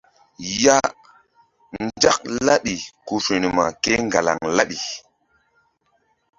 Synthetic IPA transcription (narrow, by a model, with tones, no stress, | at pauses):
ja˦ | nn˦d͡ʒa˦k̚la˦ɗi˨ku˦fi˨ni˨ma˨ke˦ŋɡa˨la̰˨ŋla˦ɗi˨